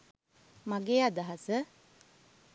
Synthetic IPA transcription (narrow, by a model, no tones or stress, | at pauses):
maɡeːad̪aɦasə